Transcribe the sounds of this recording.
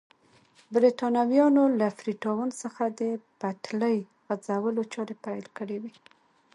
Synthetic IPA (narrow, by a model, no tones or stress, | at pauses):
bɾit̪ɑnawjɑnolafɾiʈɑwansəxad̪əbaʈləj | ɣad͡zawəlot͡ʃɑɾepajlkəɽewi